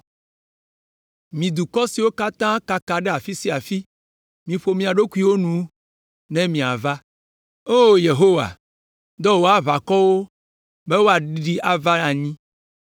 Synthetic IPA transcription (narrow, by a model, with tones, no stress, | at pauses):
mĩ˨d̪u˨kɔ˦si˨wo˦ka˦t̪ã˦ka˨ka˨ɖe˦a˨fi˦si˦a˨fi˦ | mĩ˨ɸo˨mĩ˦a˨ɖo˦ku˦i˦wo˦nũ˦ | nɛ̃˦mĩ˨a̰˨va˦ | o˦je˨ɦo˦wa̰˨ | d̪ɔ˦wo˦a˨βa˨kɔ˦wo˦ | be˦wo˦a˨ɖi˦ɖi˦ʔa˨va˦nã˨ɲĩ˦